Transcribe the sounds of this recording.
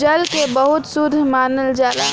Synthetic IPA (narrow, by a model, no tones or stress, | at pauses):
d͡ʒəlkebəɦʊt̪sʊd̪ʱːmaːnəld͡ʒaːd̪a